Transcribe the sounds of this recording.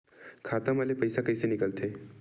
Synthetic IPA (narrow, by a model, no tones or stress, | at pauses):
kʰat̪əməlepəjsakəjsenikəlt̪ʰe